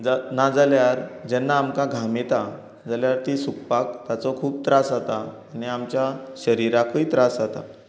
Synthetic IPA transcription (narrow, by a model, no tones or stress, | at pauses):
d͡zanad͡zaljaɾd͡ʑɛnːaːmkãɡʱamet̪a | d͡zaljaɾt̪iːsukpak̚t̪jat͡sɔkʰuːp̚t̪ɾasat̪aː | niamt͡ɕjaɕəɾiɾakʰəit̪ɾasat̪a̰